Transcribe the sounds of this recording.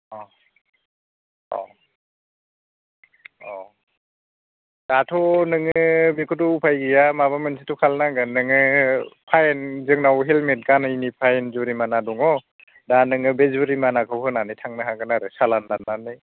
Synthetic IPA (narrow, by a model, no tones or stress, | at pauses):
ɔ | ɔ̰ | ɔ | d̥atʰɔnɯŋɯbekʰutupʰajɡijamaβamɯnsʰitukʰalnaɡɯnɯŋɯpʰajenzɯŋnawɦelmet̚kanainipʰajenzuɾimanadɔŋɔ | danɯŋɯbezuɾimanakʰɯwhɯnanɯjtʰaŋnɯɦaɡɯnaɾɯsalanːanːanɯj